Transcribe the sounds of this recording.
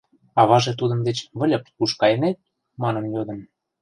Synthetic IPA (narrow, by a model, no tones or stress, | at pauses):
ɑβɑʒĕt̪ud̪ə̆md̪et͡ɕβə̆lʲɤ̆pkuʃkɑjenet̪̚ | mɑnə̆mjod̪ə̆m